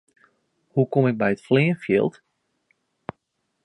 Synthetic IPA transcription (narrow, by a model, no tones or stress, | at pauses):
hukomɪk̚bɛjətflɪənfjɪ̰lˠt